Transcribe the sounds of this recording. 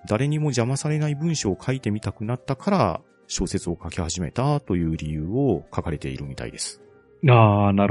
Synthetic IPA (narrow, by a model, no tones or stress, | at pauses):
d̪̥aɾe̞ɲ̟imo̞ʑamasaɾe̞naibɯ̟̃ɰ̃ɕoːkʰait̪e̞mʲit̪akɯ̟nat̪ːakʰaɾa | ɕo̞ːse̞t͡sɨo̞kakʲihaʑime̞t̪at̪o̞jɯ̟ːɾʲijɯ̟ːo̞kʰakaɾe̞t̪e̞̰ḭɾɯ̟mʲit̪a̰ḭd̪e̞sɨ̥ | aːnaɾ